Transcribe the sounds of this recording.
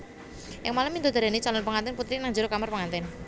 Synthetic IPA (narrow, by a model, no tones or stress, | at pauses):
ʔɪŋmaləmind̪od̪aɾanet͡ʃalɔnpəŋant̪ɛnput̪ɾinaŋd͡ʒəɾokamərpəŋant̪ɛn